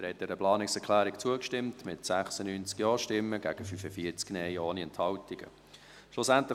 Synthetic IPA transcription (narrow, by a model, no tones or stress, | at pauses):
əɾhɛt̚dɛːɾəplɑːnɪksɛɾkʰlæːɾikt͡suəkʃtɪmtmɪtsæχsənyːnt͡skjɔːʃtɪmːəɡ̥æɡ̥əfyfəfiəɾt͡sknɛɪoːniɛnthɑltiɡ̥ə̰ | ʃlʊsænt̪lə